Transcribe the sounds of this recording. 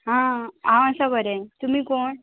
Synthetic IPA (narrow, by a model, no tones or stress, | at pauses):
ɦãɦãəsabəɾɛ̃t̪um̤iːkoɳ